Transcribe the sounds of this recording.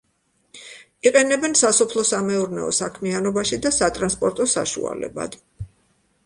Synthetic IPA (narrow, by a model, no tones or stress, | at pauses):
iqʼɛnɛbɛnsasɔpʰlˠɔsamɛuɾnɛ̰ɔ̰sakʰmianɔbaʃid̪asat̪ʼɾanspʼɔɾt̪ʼɔsa̰ʃṵa̰lɛ̰ba̰d̪̥